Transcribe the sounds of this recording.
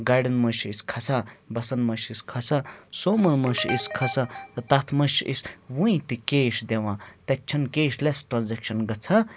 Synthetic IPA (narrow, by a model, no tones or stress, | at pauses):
ɡajɖɐnmɐʃiskʰɐsʰabɐsɐnmɐʃiskʰɐsʰasoːmɐnmɐʃiskʰɐsʰɐt̪at̪ʰmɐʃʔḭswũĩt̪ikeːʃd̪ewãt̪ɐt͡ʃʰɐnkeːʃlesʈɾãnzekʃɐnɡɐt͡sʰɐ